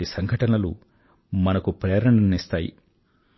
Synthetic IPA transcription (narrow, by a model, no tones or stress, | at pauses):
isɐŋɡʱɐʈɐnɐlu | mɐnɐkupɾeːɾɐɳnist̪aːjḭ